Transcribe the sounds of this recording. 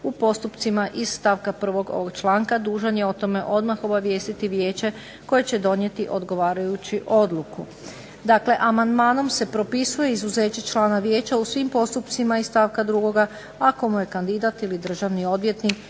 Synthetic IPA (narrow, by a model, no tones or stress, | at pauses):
upo̞st̪upt̪simaʔisst̪aːʋkapr̩ʋo̞ɡo̰ʋoɡt͡ʃlˠaːŋkad̪uːʒanjeo̞t̪o̞me̞ʔo̞d̪maxo̞baʋje̞ːst̪it̪iʋje̞ːt͡ɕe | ko̞jet͡ɕe̞d̪o̞nje̞t̪iʔo̞d̪ɡo̞ʋaːɾajut͡ɕiʔo̞d̪lˠuku | d̪aːkle̞ʔamand̪maːno̞mse̞pɾo̞pisuje̞izuze̞ːt͡ɕet͡ʃlˠaːnaʋjeːt͡ɕausʋimpo̞st̪upt̪simaisst̪aʋkad̪ɾuɡo̞ɡa | ako̞muje̞kand̪id̪at̪ilid̪r̩ʒaʋnio̞d̪ʋje̞t̪nik